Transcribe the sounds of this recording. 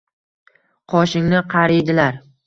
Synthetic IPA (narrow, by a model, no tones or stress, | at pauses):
qʰɒʃɪŋnɪqʰɑɾɪjd̪ɪlaɾ